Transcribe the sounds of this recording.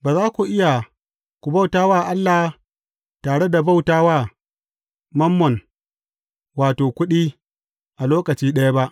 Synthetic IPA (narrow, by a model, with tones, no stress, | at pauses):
baː˨zaː˦kʷu˨ʔɪ˦ja˨ | kʷu˨ba˦˨wtaː˦waː˦˨ʔa˦lːa˨h | taː˨ɽe˦da˨ba˦wtaː˦waː˦˨ | mɐ˦mːɔ˨n | waː˨toː˨kʷʊ˦ɗiː˦ | ʔa˨loː˦kɐ˨t͡ʃiː˦ɗɐ˦ja˦ba˦ʔ